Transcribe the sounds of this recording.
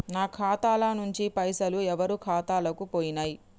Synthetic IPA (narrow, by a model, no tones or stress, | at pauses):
naːkʰaːt̪aːlanuɲt͡ʃipɐjsɐluɛʋɐɾukʰaːt̪aːlɐkupoːjinaːji